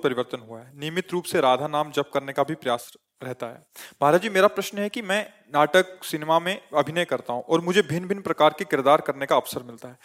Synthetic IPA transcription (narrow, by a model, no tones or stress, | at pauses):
pɐɾɪʋəɾt̪ənɦuaɦɛːnɪmɪt̪ɾuːpseɾaːd̪ʱanaːmd͡ʒɐp̚kɐɾnekabʱipɾɐjaːs | ɾɛɦt̪aɦɛ̰ːb̥ʱaːɾad͡ʒiːmeːɾapɾɐʃnəɦɛkimɛ̃ː | naːʈəksɪnemamẽɐbʱɪnəjkɐɾt̪aɦũʔɔːɾmʊd͡ʒʱebʱɪnbʱɪnpɾɐkaːɾkekɪɾd̪aːɾkɐɾnekaɐfsəɾmɪlt̪aɦɛː